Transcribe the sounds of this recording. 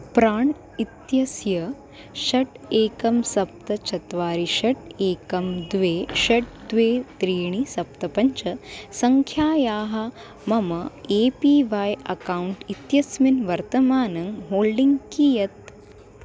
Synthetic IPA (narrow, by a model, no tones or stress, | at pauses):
pɾaːɳ | it̪jɐsjɐ | ʃɐʈeːkɐmsɐp̚t̪ɐt͡ʃɐt̪ʋaːɾiʃɐʈeːkɐmd̪ʋeːʃɐʈ̚d̪ʋeːt̪ɾiːɳ̃isɐp̚t̪ɐpɐɲt͡ʃɐsɐŋkʰjaːjaːɦɐ | mɐmɐeːpiːʋaːjɐ̰kaːuɳʈit̪jɐsminʋɐɾt̪ɐmaːnɐŋɦoːlɖiŋɡkijɐt̪̚